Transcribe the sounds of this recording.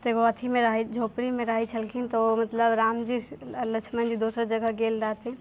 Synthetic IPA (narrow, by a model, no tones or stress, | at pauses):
t̪eɡoɐt̪ʰimẽɾaɦid͡ʒʱoːpɾimẽɾaɦit͡ʃʰəlkʰint̪omət̪ləbɾaːmd͡ʒilət͡ʃʰmənd͡ʒid̪oːsɾd͡ʒəɡəɡeːlɾaːt̪ɛ̃